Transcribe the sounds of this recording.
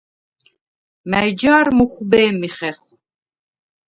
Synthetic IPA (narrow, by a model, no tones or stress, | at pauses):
mæjd͡ʒaːɾmuχbɛːmiχɛχ